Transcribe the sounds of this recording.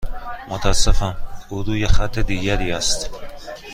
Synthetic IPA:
mot̪ʰasːefænuɾuːjexæt̪ʰːed̪iːɟæɾiːæst̪

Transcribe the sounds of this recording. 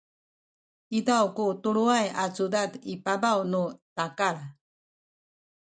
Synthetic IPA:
id̪aukut̪uɾuajat͡sud̪ad̪ipabawnut̪akaɾa

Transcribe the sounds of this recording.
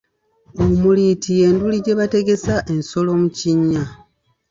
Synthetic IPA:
omulitije̞ːnduliɟe̞βate̞ɡe̞saʔe̞nso̞lo̞muciɲːa

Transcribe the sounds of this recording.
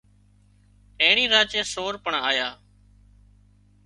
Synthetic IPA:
ẽːɳiːɾaːt͡ʃẽːsoːɾpəɳaːjaː

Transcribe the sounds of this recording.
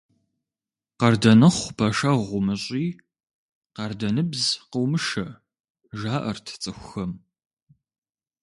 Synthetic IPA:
qɐrdɐnɨχʷpʰɐʃɐʁʷʊmɨɕʼiː | qɐrdɐnɨbzqəwmɨʃɐ | ʒaːʔɐrtʰt͡sʼɨxʷʊxɐm

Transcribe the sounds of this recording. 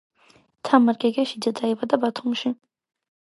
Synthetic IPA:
t̪ʰamaɾɡɛɡɛʃid̪ad̪ʼaivad̪abat̪ʰumʃi

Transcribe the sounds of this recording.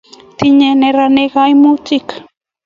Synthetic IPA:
t̪ɪɲeneɾanekajmut͡ʃɪk

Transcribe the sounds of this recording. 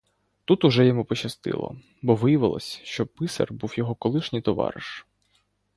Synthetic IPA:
t̪ut̪ʊʒɛjɔmupɔt͡ʃɐst̪ɪ̰lˠɔ̰ | bɔʋɪjɐʋɪlˠɔ̰sʲʃt͡ʃɔpɪsɐ̰rbuwjɔɦɔkɔlˠɪʃnʲɪjt̪ɔʋɑ̰ɾɪ̰ʃ

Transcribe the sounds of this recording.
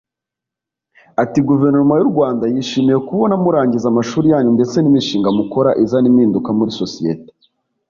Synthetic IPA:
atiɡuve̞ɾnoɾumajuɾɡwaːndajiːʃiːmije̞kuβo̞namuɾaːɲɟizamaʃuːɾijaːɲunde̞t͡se̞nimiʃiːŋɡamuko̞ɾaʔizanimiːndukamuɾiso̞sijḛte̥

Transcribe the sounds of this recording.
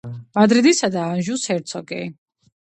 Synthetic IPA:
m̥ad̪ɾid̪isad̪aːnʒushɛɾt̪sʰɔɡɛ̰

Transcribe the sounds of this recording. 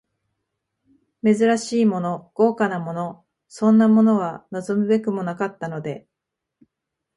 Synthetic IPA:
me̞zɨɾaɕiːmo̞no̞ɡ̥o̞ːkanamo̞no̞ | sõ̞nːamo̞no̞β̞anozo̞mɯ̟be̞kɯmo̞nakat̪ːano̞d̪e̞

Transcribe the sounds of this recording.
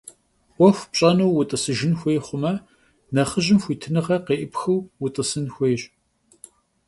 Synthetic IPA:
wʷɔxʷpɕʼɐnuwwʊtʼɨsɨʒɪnxʷeːχʷʊmɐ | nɐχəʑɪmxʷiːtʰɨnɨʁɐqeːʔɪpxɨwwʊtʼɨsɨnxʷeːɕʼ

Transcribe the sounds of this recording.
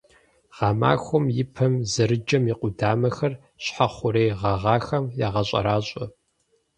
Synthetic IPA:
ʁ̥ɑma̰ːxʷʊmjɪpʰɐmzɐɾɨd͡ʒɐmjɪqʷʊdaːmɐxɐr | ɕħaχʷʊɾejʁɐʁɑːxɐmjaʁɐɕʼɐ̰ɾaːɕʼɐ

